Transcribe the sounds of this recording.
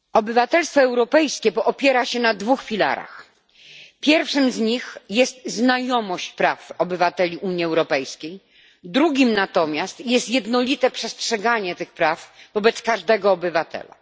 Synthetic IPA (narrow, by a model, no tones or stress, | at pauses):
ɔbɘvat̪ɛlst̪fɔɛwɾɔpɛjskʲɛpɔʔɔpʲjɛɾaɕɛnad̪vuxfʲila̰ɾa̰x | pʲjɛɾfʂɘmzɲixjɛst̪znajɔmɔɕt͡ɕpɾafɔbɘvat̪ɛlʲiʔuɲiɛwɾɔpɛjskʲej | d̪ɾuɡʲimnat̪ɔmʲjast̪jɛst̪jɛd̪nɔlʲit̪ɛpʂɛstʂɛɡaɲɛt̪ɘxpɾavvɔbɛt̪skaʐd̪ɛɡɔːbɘvat̪ɛ̰la̰